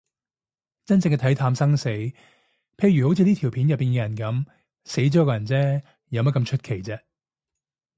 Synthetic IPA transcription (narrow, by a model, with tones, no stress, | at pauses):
t͡sɐ˥nt͡sɪ˧ŋkɛ˧t̪ʰɐ˨˥jt̪ʰaː˧msɐ˥ŋse˨˥j | pʰe˧jyː˨˩ho˨˥wt͡sʰi˨˧niː˥t̪ʰi˨˩wpʰi˨˥njɐ˨pːiː˨nkɛ˧jɐ˨˩nkɐ˨˥m | se˨˥jt͡sɔː˨˥kɔː˧jɐ˨˩nt͡sɛː˥ | jɐ˨˧wmɐ˥t̚kɐ˧mt͡ʃʰɵ˥t̚kʰe˨˩jt͡sɛː˥